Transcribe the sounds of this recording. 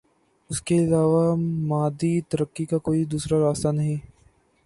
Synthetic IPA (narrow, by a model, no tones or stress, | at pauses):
ʊskeɪlaːʋamaːd̪it̪ɐɾəkːikakoːid̪uːsɾaɾaːst̪anɐɦĩ